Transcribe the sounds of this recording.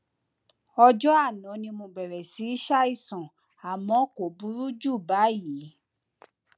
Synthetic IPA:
ɔ˧d͡ʒɔ˦a˦˨nɔ̃˨˦nĩ˧mũ˧ɡ͡bɛ˨ɾɛ˨si˨˦i˦ʃa˦i˦˨sɔ̃˨ | a˨mɔ̃˨˦ko˨bu˨˦ɾu˦d͡ʒu˦˨ba˨˦ji˨˦

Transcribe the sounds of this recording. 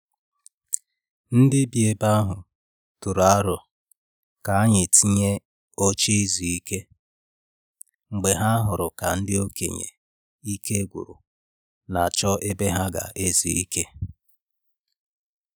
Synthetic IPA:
n̩˦dɪ˦bi˨e˨ba˦a˦ɦʊ˨ | tʊ˨ɾa˦ɾʊ˨ | ka˨a˦ɲɪ˨ti˦ɲe˦ | o˦t͡ʃe˦i˦zi˨i˦ke˦ | ŋ͡m̩˨ɡ͡be˨ɦa˦a˦ɦʊ˨ɾʊ˨ka˨n̩˦dɪ˦o˦kḛ˨ɲḛ˨ | i˦ke˦ɡʷʊ̰˨ɾʊ̰˨ | na˨t͡ʃɔ˦ʔe˦be˦ɦa˦ɡa̰˨ʔe˦zḭ˨ḭ˦ke˦

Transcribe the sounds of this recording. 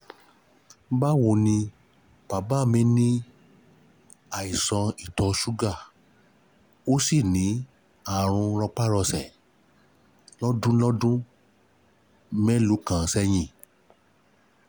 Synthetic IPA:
ba˦wo˧nĩ˧ | pa˨ba˦˨mĩ˨˦nĩ˦ | a˨i˨sɔ̃˧i˦˨tɔ˧ʃu˦ɡa˦˨ | o˦si˦˨nĩ˨˦ | a˦˨ɾ̃ũ˧ɾɔ˧k͡pa˦ɾɔ˧sɛ˨ | lɔ˦dũ˦lɔ˦dũ˦ | mɛ̃˦lu˨˦kã˨sɛ˧j̃ĩ˨

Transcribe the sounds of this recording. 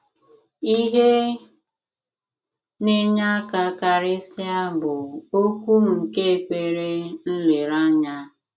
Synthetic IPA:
i˦ɦe˦ | ne˦ɲa˦a˦ka˦ka˨ɾɪ˦sja˦bʊ˨o˦kʷu˦m̩˨ŋ̩˨ke˦e˨kʷe˨ɾe˦n̩˦le˨ɾa˦ɲa˦

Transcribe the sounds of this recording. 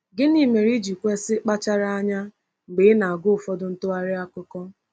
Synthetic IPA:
ɡɪ˦ni˦me˨ɾi˦d͡ʒi˨kʷe˦sɪ˦k͡pa˦t͡ʃa˦ɾa˦a˦ɲa˦ | ŋ͡m̩˨ɡ͡beː˨˦na˨a˨ɡʊ˦ʊ˨fɔ˦dʊ˦n̩˦tʊ˦a˦ɾɪ˦a˦kʷʊ˦kɔ˦

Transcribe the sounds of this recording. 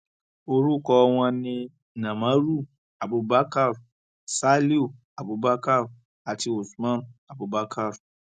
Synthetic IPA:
o˦ɾu˦kɔ˦wʷã˦nɪ̃˦ | nã˨ma˦ɾu˦ | a˨bʊ˧ba˦ka˦ɾu˨ | sa˦li˦u˦˨ | a˨bʊ˨ba˦ka˦ɾu˨ | a˨ti˨o˨smã˦n˨a˨bʊ˨ba˦kʰa˦˨ɾu˨

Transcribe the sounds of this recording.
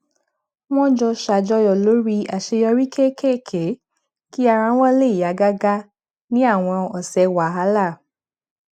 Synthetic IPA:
w̃ɔ̃˦d͡ʒɔ˧ʃa˨d͡ʒɔ˧jɔ˨lo˨˦ɾi˦a˨ʃe˧jɔ˧ɾi˦kʰe˦˨kʰe˦˨kʰe˨˦ | ki˦a˧ɾã˧˦w̃ɔ̃˦le˦˨i˨ja˨˦ɡa˦ɡa˦ | nĩ˦a˦˨w̃ɔ̃˧ɔ˨sɛ˨˧wa˨˦ɦa˨˦la˦˨

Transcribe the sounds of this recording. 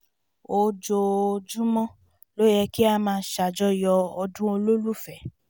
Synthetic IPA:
o˧d͡ʒo˧d͡ʒũ˦mɔ̃˦ | lo˦jɛ˧ki˦a˧mãː˧˦ʃa˨d͡ʒɔ˦jɔ˧ɔ˧dũ˦o˧lo˦lu˦˨fɛ˨

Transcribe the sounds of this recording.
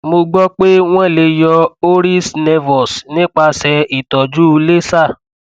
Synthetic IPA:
mo˧ɡ͡bɔ˦k͡pe˦w̃ɔ̃˦˨le˧jɔ˧o˦ɾi˦snɛ˧vɔ˨snĩ˦k͡pa˧sɛ˧i˨tɔ˨d͡ʒu˦˧le˦sa˦˨

